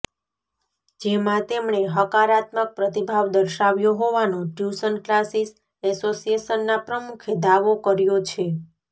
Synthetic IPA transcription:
d͡ʒemãt̪emɳ̃eɦəkaɾat̪mək̚pɾət̪ibʱaʋd̪əɾʃaʋjoɦoʋanõʈjusənklasis | ɛsosijeʃənːapɾəmukʰed̪aʋokəɾjot͡ʃʰe

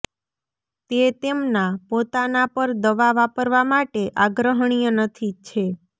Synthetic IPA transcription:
t̪et̪emnapot̪anapəɾd̪əʋaʋapəɾʋamaʈeʔaɡɾəɦəɳ̃ijənət̪ʰit͡ʃʰe

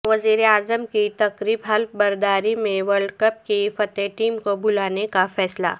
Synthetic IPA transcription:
ʋɐziːɾeaːzəmkit̪ɐkɾiːbɦɐlbɐɾd̪aːɾimẽʋəɾɭɖkɐp̚kifɐt̪eʈiːmkobʊlaːnekafɛːsla̰ː

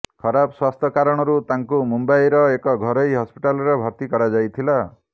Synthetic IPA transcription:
kʰɔɾabɔswast̪ʰɔkaɾɔɽ̃ɔɾut̪aŋkumumbajɾɔekɔɡʱɔɾɔjɦɔspi̥ʈalɔɾebʱɔɾt̪ikɔɾad͡ʒajt̪ʰila

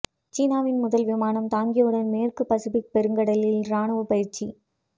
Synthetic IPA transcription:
t͡ʃiːnaːʋɪnmʊðɐlʋɪmaːnɐmt̪aːŋɡɪjɯɽɐnmeːrkɯpɐsɪpɪk̚pɛɾɯŋɡɐɽɐlɪlɾaːɳɐʋɯpɐjɪɾt͡ʃi

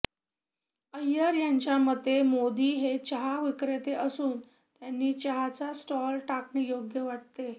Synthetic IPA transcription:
əjːəɾjaɲt͡ɕjaməd̪ʱemod̪iːɦet͡ɕəɦaʋikɾet̪eʔəsuːn | t̪janːiːt͡ɕəɦat͡sasʈɔlʈakɳejoɡjəʋaʈ̚t̪e

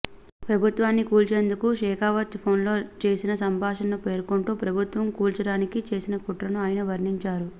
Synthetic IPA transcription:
pɾɐbʱut̪ʋaːnːikuːlt͡ʃe̞ːnd̪ukuʃɛːkʰaːʋɐt̪pʰo̞ːnlo̞ːt͡ʃe̞ːsinɐsɐmbʱaːʂɐnupe̞ːɾkoɳʈuːpɾɐbʱut̪ʋɐmkuːlt͡ʃɐɽaːnikit͡ʃe̞ːsinɐkuʈɾɐnuaːjɐnɐʋɐɾniɲt͡ʃaːɾu

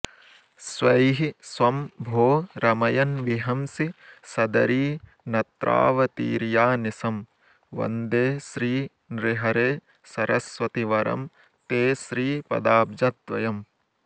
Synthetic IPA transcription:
sʋɐjɦisʋɐmbʱoːɾɐmɐjɐnʋiɦɐmsisɐd̪ɐɾiː | nɐt̪ɾʔa̰ːʋɐt̪ḭːɾjaːnisɐm | ʋɐ̰nd̪eːʃɾiː | nɾɪɦɐɾeː | sɐɾɐsʋɐt̪iʋɐɾɐ̰m | t̪eːsɾiːpɐ̰d̪aːbd͡ʒɐt̪ʋɐjɐm

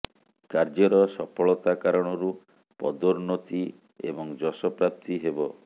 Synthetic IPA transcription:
kaɾd͡ʒɔɾɔsɔpʰɔɭɔt̪akaɾɔɽ̃ɔɾu | pɔ̰d̪oɾnot̪i | ḛbɔŋd͡ʒɔsɔpɾap̚t̪iɦebɔ

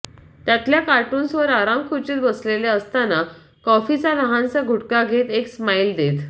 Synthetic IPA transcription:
t̪jat̪ljakaʈuːnsʋəɾaɾãmkʰut͡ɕit̪bəsleleəst̪ana | kɔfit͡sanəɦãnt͡saɡʱuʈkaɡʱet̪eksmaild̪et̪

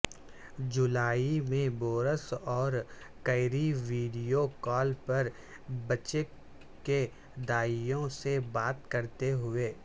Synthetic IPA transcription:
d͡ʒʊlaːimẽboːɾəsɔːɾ | kɐɪɾiʋiːɖijokɔːlpɐɾ | bɐt͡ʃe | ke | d̪aːijõsebaːt̪kɐɾt̪eɦʊeː

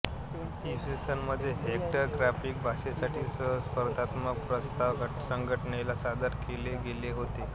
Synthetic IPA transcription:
isesənməd̪ʱːjeɦek̚ʈəɾɡɾafiːk̚bʱaʂesaʈʰiːsəɦspəɾd̪ʱat̪mək̚pɾəst̪aʋsəŋɡʱəʈɳelasad̪əɾkeleɡeleɦot̪e

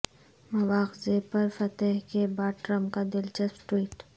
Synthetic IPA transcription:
mɐʋaːxzepɐɾfɐt̪ɛɦkebaːʈɾəmkad̪ɪlt͡ʃɐspʈwiːʈ

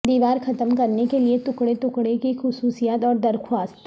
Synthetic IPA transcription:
d̪iːʋaːɾxʰɐt̪əmkɐɾnekeliet̪ʊkɽet̪ʊkɽekixʊsuːsijaːt̪ɔːɾd̪ɐɾxʰwaːst̪

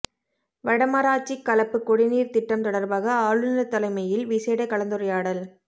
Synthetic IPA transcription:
ʋɐɽɐmaːɾaːt͡ʃːikːɐlɐpːɯkːɔɽɪniːɾt̪ɪʈːɐmt̪ɔɽɐɾbaːɣɐaːɻɯnɐt̪ːɐlɐɪmɐjɪlʋiseːɽɐkɐɭɐnd̪ɯɾɐjaːɽɐl

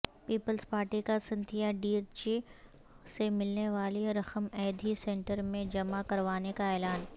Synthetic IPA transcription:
piːpəlzpaːɾʈikasɐ̃nt̪ʰijaɖiːɾt͡ʃi | semɪlneʋaːliɾɐxəmɛːd̪ʱisẽːɳʈəɾmẽd͡ʒɐmakɐɾʋaːnekaɛːlaːn

